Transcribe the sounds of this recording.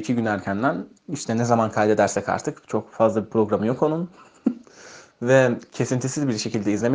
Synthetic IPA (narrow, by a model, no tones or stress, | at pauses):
icʰiɟynæɾcʰænd̪æn | iʃt̪ʰɛnɛzamankʰajʲd̪e̞d̪æɾsɛca̰ɾt̪ʰɯkt͡ʃʰo̞kfazlˠabipʰɾo̞ɡɾamɯjo̞ko̞nun | vɛcʰe̞sint̪ʰisizbiɾʃe̞cilʲd̪ɛizlʲe̞me